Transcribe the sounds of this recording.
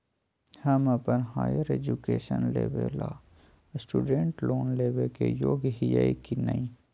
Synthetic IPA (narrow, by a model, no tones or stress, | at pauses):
həməpənɦaːjəɾeːd͡ʒukeːʃənlḛːʋela̰ː | sʈuːɖẽɳʈloːnleːʋekejoːɡɦijaikinɐĩ